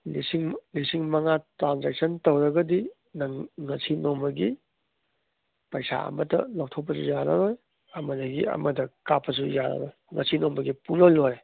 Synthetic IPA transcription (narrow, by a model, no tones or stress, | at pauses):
lisiŋlisiŋmɐŋatɾanzek̚sɐntɐwɾɐɡɐdi | nɐŋɐsinombɐɡi | pɐjsa̰ɐ̰mɐtɐ̰law̚tʰop̬ːɐsujanɐ̰ɾoj | ɐmɐdɐɡiɐ̰mɐdɐkapʰːɐs̬ujanɐ̰ɾoj | ŋɐ̰sinombɐɡipuŋlowloɾe